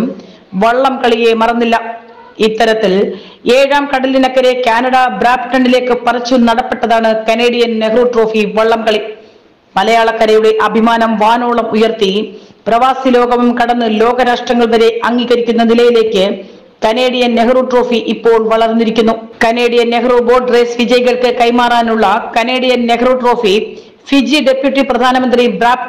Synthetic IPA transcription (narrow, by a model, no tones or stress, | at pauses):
m | ʋɐɭːɐmkɐɭije̞mɐrɐnːilːɐ | it̪ːɐɾɐt̪ːil | e̞ːɻaːmkɐɽɐlːinɐkːɐɾe̞kaːnɐɽɐbɾaːpʈɐɳɖileːkːɨpɐrɐt͡ɕːunɐɽɐpːe̞ʈːɐðaːɳɨkɐne̞ːɽijɐnne̞ɡɐruːʈro̞ːfiʋɐɭːɐmkɐɭi | mɐlɐjaːɭɐkːɐɾɐjuɽe̞ʔɐbʱimaːnɐmʋaːnoːɭɐmujɐrt̪iprɐʋaːsilo̞ːɡɐmumkɐɽɐnːɨlo̞ːɡɐɾaːʂʈrɐŋːɐɭʋɐɾe̞ʔɐŋɡiːɣɐɾikʲːunːɐnilɐjile̞ːkʲːɨ | kɐne̞ːɽijɐnne̞ɡɐruːʈro̞ːfiʔipːo̞ːɭʋɐɭɐrnːiɾikʲːunːukɐne̞ːɽijɐnneɡroːbo̞ːɖreːsʋid͡ʑɐjiɣɐɭkɨkɐjmaːraːnuɭːɐkɐne̞ːɽijɐnne̞ɡʰɐroːʈro̞ːfi | fid͡ʑiɖe̞pjuʈːiprɐd̪ʱaːnɐmɐnd̪ribɾaːp